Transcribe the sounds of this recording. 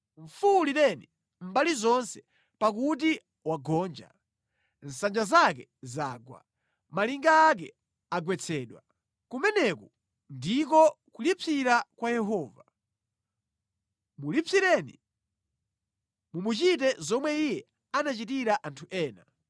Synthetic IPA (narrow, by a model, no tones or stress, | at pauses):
ɱ̩fulitɛni | m̩balizɔnsɛ̥ | pak̬ut̬i | waɡɔːnd͡ʒa̰ | n̩sand͡ʒazak̬ɛ | zaːɡwa̰ | maliŋɡaːk̬ɛ | aɡwɛt͡sʰɛːɗwa | kumɛnɛkɔ | ndikɔkulipʰiɾakwajɛɦɔːva | mulipʰiɾɛnḭ | mumut͡ʃitɛzɔmwɛijɛ | anat͡ʃitiɾaʔantʰuʔɛːna